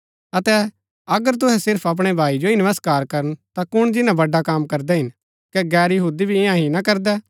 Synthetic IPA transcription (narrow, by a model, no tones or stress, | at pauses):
ɐt̪ɛ | ɐɡəɾt̪ʊɦɛsɪɾpʰɐp̬ɽ̃ɛbʱaːid͡ʒoinəʋəskaːɾkɐɾənt̪akʊɽ̃d͡ʒɪnãbɐɖːakaːmkɐɾd̪ɛɦɪn | kɛɡɛːɾjɐɦuːd̪ibʱiɪ̃jãɦinakɐɾd̪ɛː